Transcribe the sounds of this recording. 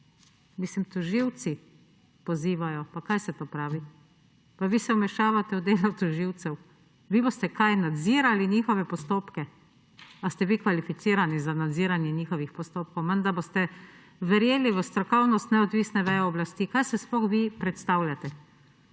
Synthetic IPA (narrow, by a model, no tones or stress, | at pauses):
mislimt̪uʒiwt̪si | pɔziːʋajɔpakajsɛt̪oːpɾaːʋi | paʋiːsɛumɛʃaːʋat̪ɛud̪eːlɔwt̪uʒiwt̪sɛw | ʋiːbost̪ɛkajnad̪ziːɾaliɲixɔʋɛpɔst̪oːpkɛ | ast̪ɛʋikʋalifit̪siːɾanizanad̪ziːɾanjɛɲiːxɔʋixpɔst̪oːp̚kɔwmɛnd̪aɾbost̪ɛ | ʋɛɾjeːliʋəst̪ɾɔkɔwnɔst̪nɛɔd̪ʋiːsnɛʋɛjɛɔblast̪iːkajsɛsploxʋipɾɛt̪st̪awlʲjat̪ɛ